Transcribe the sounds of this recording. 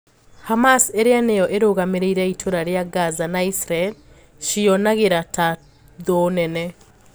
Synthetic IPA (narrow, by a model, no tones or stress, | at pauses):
hamaseɾeanejɔʔeɾoɣameɾeiɾɛitʰoɾaɾjaɡazanaisɾael | ʃiɔnaɣeɾata | ðoːnɛnɛ